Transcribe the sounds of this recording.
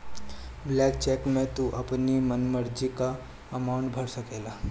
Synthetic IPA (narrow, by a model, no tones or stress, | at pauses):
blɛkt͡ɕekmẽt̪uʔapnimənməɾd͡ʑika | əmawɳʈbʱəɽsəkela